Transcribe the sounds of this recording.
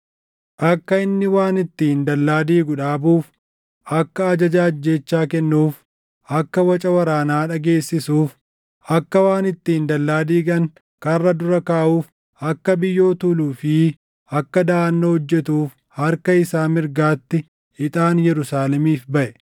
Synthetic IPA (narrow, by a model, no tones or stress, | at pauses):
ʔɐkːɐɪnːɪwaːnɪt̪ːɪɪnd̪ɐlːaːd̪iːɡʊᶑaːbuːf | ʔɐkːɐːd͡ʒɐd͡ʒaːɐd͡ʒːe̞ːt͡ʃːaːkɛnːuːf | ʔɐkːɐwɐt͡ʃʼɐwɐɾaːnaːᶑɐɡe̞ːsːɪsuːf | ɐkːɐwaːnɪt̪ːɪɪnd̪ɐlːaːd̪iːɡɐŋ | kɐrːɐd̪ʊɾɐkaːʔuːf | ɐkːɐbɪjːo̞ːt̪uːluːfɪ | ɐkːɐd̪aːɐnːohɔd͡ʒːɛt̪uːf | hɐɾkɐɪsaːmɪɾɡaːt̪ːɪ | ɪt̪ʼaːnjɛɾʊsaːlɛmiːfbɐʔɛ